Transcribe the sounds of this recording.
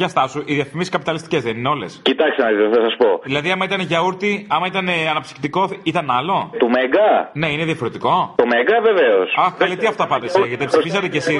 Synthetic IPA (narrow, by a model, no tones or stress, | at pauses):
ʝɐst̪ɐsuʔiðiɐfimiskɐpit̪ɐlist̪icezðenineo̞le̞scit̪ɐkst̪enɐit̪θɐsɐspoðilɐðiɐmɐit̪ɐneʝɐuɾt̪iɐmɐit̪ɐne̞ɐnɐpsi̥xt̪iko̞it̪ɐnɐlo̞t̪umeɡɐne̞ineðiɐfo̞ɾet̪iko̞t̪omeɡɐveveosɐxkɐlit̪iɐft̪ɐpɐnt̪eseʝet̪epsifisɐt̪ecesi